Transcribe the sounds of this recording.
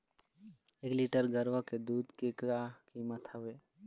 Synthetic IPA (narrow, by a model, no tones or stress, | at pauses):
eːkliʈəɾɡəɾʋəked̪uːd̪kekakiːmət̪ʰəeː